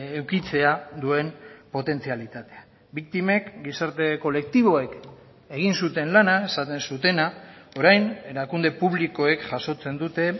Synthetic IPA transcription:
ewkit͡se̞ad̪ue̞mpo̞t̪e̞nt͡sialit̪at̪e̞a | bik̚t̪ime̞kɡisaɾt̪e̞ko̞le̞k̚t̪iβ̞o̞e̞k | e̞ɣ̞insut̪e̞nlanae̞sat̪e̞nsut̪e̞nao̞ɾajne̞ɾakund̪e̞puβ̞liko̞e̞kʝaso̞t͡se̞nd̪ut̪e̞

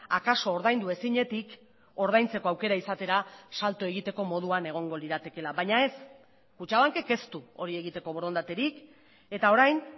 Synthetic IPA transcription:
akaso̞ːɾðajnd̪ue̞siɲe̞t̪ik | o̞ɾð̞ajnt͡se̞ko̞awke̞ɾaisat̪e̞ɾasalt̪oe̞ɣ̞it̪e̞ko̞mo̞ð̞uane̞ɣ̞o̞ŋɡo̞liðat̪e̞ke̞laβajɲae̞s | kut͡ʃaβaŋke̞ke̞st̪uo̞ɾie̞ɣit̪e̞ko̞β̞o̞ɾo̞nd̪at̪e̞ɾik | e̞t̪ao̞ɾajn

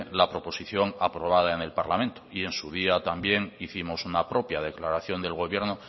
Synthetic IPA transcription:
lapɾo̞po̞siθjo̞ŋapɾo̞β̞að̞aene̞lpaɾlamẽnt̪oie̞nsuð̞iat̪ambje̞ŋiθimo̞sunapɾo̞pjað̞e̞klaɾaθjo̞nd̪e̞lɣo̞β̞je̞ɾno

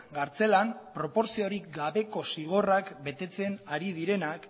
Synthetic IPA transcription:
ɡaɾt͡se̞lampɾo̞po̞ɾsio̞ɾikɡaβe̞ko̞siɣ̞o̞rakbe̞t̪e̞t͡se̞naɾið̞iɾe̞nak

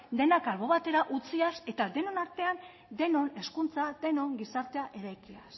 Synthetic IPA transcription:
d̪e̞nakalβo̞βat̪e̞ɾaʔut͡siase̞t̪ad̪e̞no̞naɾt̪e̞an | d̪e̞no̞ne̞skunt͡sad̪e̞no̞ŋɡisaɾt̪e̞aʔe̞ɾajkias

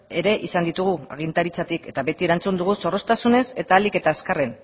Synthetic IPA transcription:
e̞ɾe̞ʔisand̪it̪uɣ̞ua̰ɣ̞int̪aɾit͡sat̪ike̞t̪aβe̞t̪ie̞ɾant͡sund̪uɣ̞uso̞ro̞st̪asune̞se̞t̪aːlike̞t̪aːskare̞n

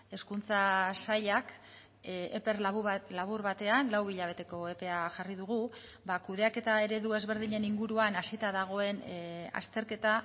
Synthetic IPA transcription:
e̞skunt͡sasaʎak | epeɾlaβ̞uɾβat̪e̞anlawiʎaβ̞e̞t̪e̞ko̞e̞pe̞aʝarið̞uɣu | bakuð̞e̞ake̞t̪ae̞ɾe̞ðue̞zβe̞ɾðiɲe̞niŋɡuɾuanasit̪aðaɣ̞o̞e̞na̰st̪e̞ɾke̞t̪a

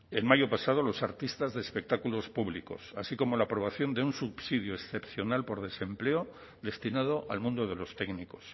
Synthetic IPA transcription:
e̞lmaʝo̞pasað̞olo̞saɾt̪ist̪azðeːspe̞k̚t̪akulo̞spuβliko̞̰sa̰siko̞mo̞lapɾo̞βaθjo̞nd̪eunsupsið̞joesθe̞pθjo̞nalpo̞ɾð̞e̞se̞mple̞o | ðe̞st̪inað̞o̞ʔalmũnd̪o̞ð̞e̞lo̞st̪e̞ɡniko̞̥s

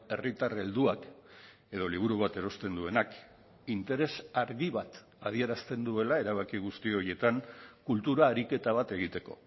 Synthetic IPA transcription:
e̞rit̪are̞ld̪uak | e̞ðo̞liβ̞uɾuβ̞at̪e̞ɾo̞st̪e̞nd̪ue̞nak | int̪e̞ɾe̞saɾɣiβat̪ | að̞ie̞ɾast̪e̞nd̪ue̞lae̞ɾaβ̞akiɣ̞ust̪io̞ɾje̞t̪aŋkult̪uɾaːɾike̞t̪aβ̞at̪e̞ɣ̞it̪e̞ko̞̰

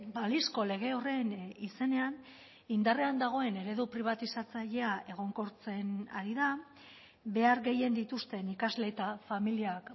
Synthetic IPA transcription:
balisko̞le̞ɣ̞e̞o̞re̞nise̞ne̞an | ind̪are̞and̪aɣ̞o̞e̞ne̞ɾe̞ðupɾiβ̞at̪isat͡saʎe̞aʔe̞ɣ̞o̞ŋko̞ɾt͡se̞na̰ɾiða | be̞aɾɣe̞je̞nd̪it̪ust̪e̞nikazle̞t̪afamiliak

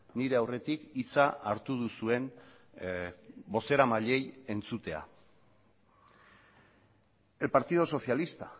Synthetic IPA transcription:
niɾe̞awre̞t̪ikit͡saːɾt̪uð̞usue̞n | bo̞se̞ɾamaʎe̞je̞nt͡sut̪e̞a̰ | elpaɾt̪iðo̞so̞sialist̪a

